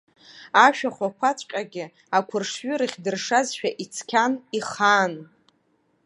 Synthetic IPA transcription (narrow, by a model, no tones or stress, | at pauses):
aʃᶣaχʷakʷʰat͡sʷʼqʲʼaɡʲɪ | akʷʰʊrʂɥʏɾɨχʲdɨrʂazʃᶣaʔit͡sʰkʲʰaniχaːn